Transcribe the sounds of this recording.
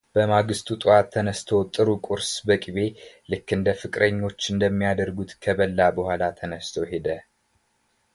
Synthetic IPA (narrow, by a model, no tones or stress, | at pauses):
b̥əmaɡɨst̪ʰut̪ʼuat̪ʰːənəst̪ʰowt̪ʼɨɾukʼuɾsbəkʼiβe̞lɨkːɨnd̪əfɨkʼɾəɲːo̞t͡ʃːɨnd̪əmːijad̪əɾɡut̪kʰəβəlːabəhʷalat̪ʰənəst̪ʰəwɦe̞d̪ə